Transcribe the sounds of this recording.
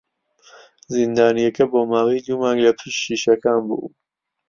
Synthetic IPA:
zind̪aːnijɐkɐboːmaːwiːd̪umaːŋɡlɐpʰiʃʃiːʃɐkaːnbṵː

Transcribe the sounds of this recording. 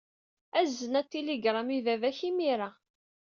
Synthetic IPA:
æzːənæt̪ːiliɡɾˤamivævæçimiɾa

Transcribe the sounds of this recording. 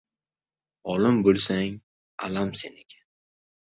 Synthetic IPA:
ɒlɪmbolˠsaŋ | a̰lamse̞nekʲʰḁn

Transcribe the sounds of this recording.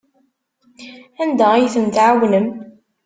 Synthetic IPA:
ænd̪æjθəmt̪ʕawnəm

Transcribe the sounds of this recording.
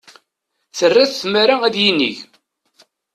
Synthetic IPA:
θərːæθθmaɾaæðjinːḭʝ

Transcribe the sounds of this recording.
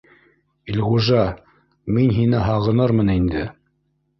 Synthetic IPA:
ilʁuʒɑ | minɦinɘɦɑʁɤ̆nɤɾmɤnind̪ɘ

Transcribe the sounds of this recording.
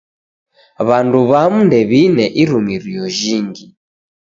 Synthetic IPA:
βanduβamundɛβinɛʔiɾumiɾijɔʒiːŋɡi

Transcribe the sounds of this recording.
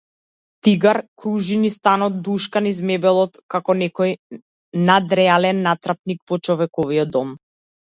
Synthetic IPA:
t̪iɡaɾkɾuʒinist̪anɔt̪̚d̪uʃkanizmɛbɛlˠɔt̪kakɔnɛkɔj | nad̪ɾɛalɛnːat̪ɾap̚nik̚pɔt͡ʃɔvɛkɔviɔd̪ɔm

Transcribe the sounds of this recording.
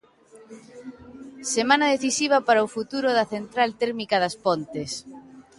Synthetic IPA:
semãnaðeθisiβ̞ɐpaɾaofut̪uɾʊðɐθent̪ɾalt̪ɛɾmikaðaspont̪es

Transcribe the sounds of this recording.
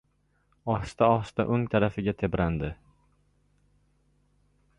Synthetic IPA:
ɒχst̪aɒχst̪a̰ʔɵŋt̪ʰaɾafɪɡʲat̪ʰe̞bɾʔand̪ɪ

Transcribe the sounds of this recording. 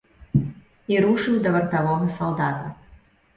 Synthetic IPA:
iɾuʂɨwd̪ɐvɐrt̪avɔɦɐsalˠd̪at̪ɐ

